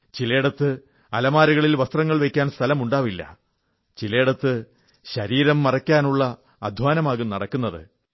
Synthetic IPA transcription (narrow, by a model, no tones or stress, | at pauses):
t͡ɕile̞ːɽɐt̪ːɨ | ɐlɐmaːɾuɣɐɭilʋɐst̪rɐŋːɐɭʋekʲːaːnst̪ʰɐlɐmuɳɖaːʋilːɐ̰ | t͡ɕileːɽɐt̪ːɨ | ɕɐɾiːɾɐmːɐrɐkʲːaːnuɭːɐː | d̪ʱʋaːnɐmaːɣunɐɽɐkːunːɐðɨ̰